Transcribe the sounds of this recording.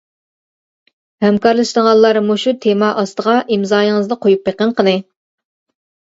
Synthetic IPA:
hɛmkɑɾlˠɨʃd̪əŋɑllˠːɑɾmuʃut̪ʰemɑʔɑst̪əʁɑʔimzɑːjiŋɨzd̪ɨqʰojupːeqəɴqʰənɨ

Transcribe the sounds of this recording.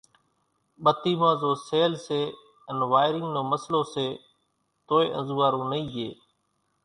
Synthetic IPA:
ɓət̪iːmãːzoːseːlseː | ənʋaːɪɾɪŋɡnoːməsloːseː | t̪oːeːʔə̰̃nzuːaːɾũːnəiːɦeː

